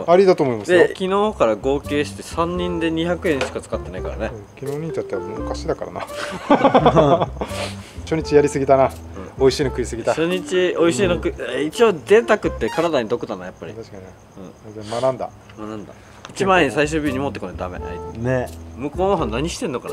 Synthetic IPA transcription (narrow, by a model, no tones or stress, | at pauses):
aɾʲid̪at̪oːmoimaszd̪ekʲino̞ːkaɾaɡo̞ːke̞ːɕi̥t̪e̞sãɲ̟ːĩnd̪e̞ɲ̟içakɯ̟ẽ̞ɰ̃ɕi̥kat͡sɨ̥kat̪ːe̞naika̰ɾa̰ne̞kʲinoːɲʲĩɲt͡ɕat̪ːeabmɯkaɕid̪akaɾa̰na̰ | ɕoɲ̟it͡ɕijaɾʲisɨɡʲit̪ana | ɯ̃oiɕinokɯ̟isɨɡʲit̪aɕoɲ̟it͡ɕio̞iɕiːnokɯit͡ɕio̞d̪ẽ̞t̪akɯ̟t̪ːe̞kaɾad̪aɲ̟id̪o̞kɯ̟t̪anajapːaɾʲḭt̪kaɲ | ɯ̟̃ːat̪amanãnd̪a̰ | manãnd̪a̰ | it͡ɕimãẽɲisaiɕ̬ɨːbʲoɲ̟imot̪ːekond̪a̰me̞̰inemɯ̟ko̞ːnoɦãnnːaɲ̟iɕi̥t̪enːoka̰n